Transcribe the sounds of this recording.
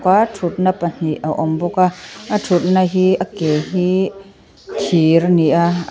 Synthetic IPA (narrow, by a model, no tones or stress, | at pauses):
katʰut̪̚napɐn̥iʔaʔɔmbɔkaatʰut̪̚naɦiʔɐkeɦi | kʰirniʔa